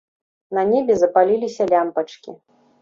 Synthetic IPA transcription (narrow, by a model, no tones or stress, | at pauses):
nɐnʲebʲɛzɐpalʲilʲisʲɐlʲampɐt͡ʂkʲḭ